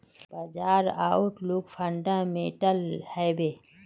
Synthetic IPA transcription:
b̥əd͡ʒaːɾa̰ːʊʈluːkpʰəɳɖãmeːʈəlhɛbeː

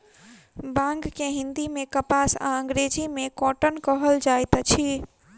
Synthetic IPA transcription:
bãŋɡkeɦĩnd̪imẽkəpasa̰ə̃ŋɡɾed͡ʒimekɔʈənkəɦəld͡ʒajt̪t͡ʃʰi

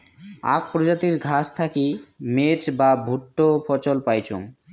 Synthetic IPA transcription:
a̰k̚pɾod͡ʑat̪iɾɡʱast̪ʰakimet͡ɕbabʱuʈːopʰɔt͡ɕolpajt͡ɕʰo̰ŋ

